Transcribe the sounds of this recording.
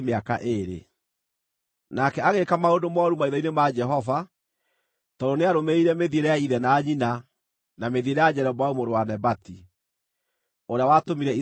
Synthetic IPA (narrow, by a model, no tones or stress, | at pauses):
meaka̰ʔeɾḛ | nakɛaɣekamaodomɔɾumaiðɔinemad͡ʒɛɦɔva | tɔdoneaɾomeiɾɛmeðieɾeaiðɛnaːɲina | nameðieɾejad͡ʑɛɾɛmaumoɾowanɛbati | oɾeawatomiɾɛi